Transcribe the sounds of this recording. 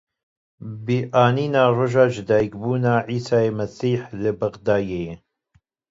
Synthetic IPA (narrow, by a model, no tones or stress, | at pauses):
biːʔaːniːnaːroːʒɑːd͡ʒɪd̪ɑːjikbuːnaːʕiːsaːemɐsiːħləbɐɣd̪aːjeje